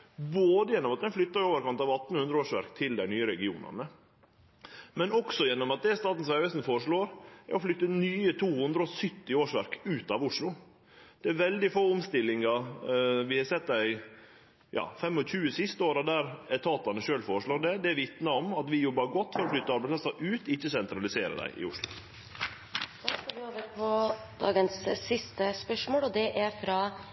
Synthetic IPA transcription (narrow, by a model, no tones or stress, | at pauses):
boːd̪əjɛnːɔmɑt̪̚d̪ɛnflʏt̪ːɑɾoːʋəɾkɑnt̪ɑːʋɑt̪ːn̩hʉnd̪ɾəoːʂʋæ̰ɾkt̪ʰɪld̪æɪnyːəɾɛɡɪuːnɑ̰nə | mɛnɔksɔjɛnːɔmɑt̪̚d̪ɛst̪ɑːt̪n̩sʋæʋɛsnfoːɾəʂɭoːɾæ̰ɾɔflʏt̪ːənyːət̪ʰuːhʉnd̪ɾəɔsʏt̪ːɪoːʂʋæɾkʉːt̪ɑʋʊʂɭʊ | d̪̥ɛæɾʋɛld̪ɪfoːʊmst̪ɪlːɪŋɑ | ʋɪhɑɾsɛt̪ːdæɪ | jɑ̰ːfɛmːɔɕʉːəsɪst̪əoːɾɑd̪æɾɛt̪ʰɑːt̪ɑnəʃøːlfoːɾəʂɭoːɾɖ̪ɛd̪ɛæɾʋɪt̪nɑɔmɑt̪ʋɪjɔbːɑɾɡɔt̪ːfɔɾɔflʏt̪ːəɑɾbæɛɪspʰlɑsɑʔʉːt̪ɪçːəsɛnt̪ɾɑlɪseːɾə̰d̪æ̰ɪʔɪ̰ʊʂlʊ | d̪̥ɑskɑʋɪoːʋəɾpʰɔd̪̥ɑ̰ːɡənsːɪst̪əspœʂmoːlɔd̪ɛʔæɾfɾɑ